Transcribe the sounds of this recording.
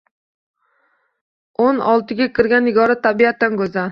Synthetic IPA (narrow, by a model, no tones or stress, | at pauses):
onɒlˠt̪ʰɪɡʲakʰʲɪɾɡʲanɪɡɒɾat̪ʰːabiat̪ʰːankʲɵza